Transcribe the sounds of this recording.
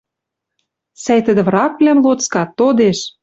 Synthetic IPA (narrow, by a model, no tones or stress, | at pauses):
sæjt̪ə̆d̪ɘ̆vrɑk̚lʲæmlot͡skɑt̪ːod̪eʃ